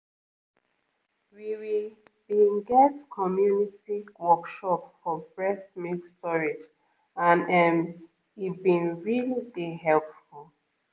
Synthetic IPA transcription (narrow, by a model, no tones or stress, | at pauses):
wiwi | b̥inɡɛtkʰɔmjunitiwɔkʃɔpsfɔbɹɛsmĩtstɔɹid͡ʒ | ãnɛm | ibĩnɹilideɦɛlpfulˠ